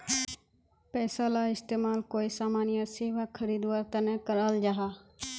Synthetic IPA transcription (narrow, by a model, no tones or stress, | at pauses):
pɛːsalaɪst̪eːmaːlkoːisaːmaːnɪjəseːʋakʰəɾiːd̪waːɾt̪ɐnẽkəɾəld͡ʒaːɦaː